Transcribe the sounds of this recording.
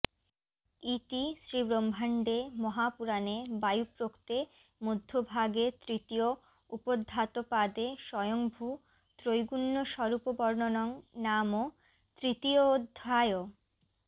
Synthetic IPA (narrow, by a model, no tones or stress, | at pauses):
it̪isɾibɾombʱaɳɖemɔɦapuɾanebajupɾokt̪e | mod̪ʱːobʱaɡet̪ɾit̪io | upod̪ʱːat̪opad̪eʃɔjoŋbʱu | t̪ɾojɡunːoʃɔɾupobɔɾnonɔŋnamo | t̪ɾit̪iood̪ʱːajo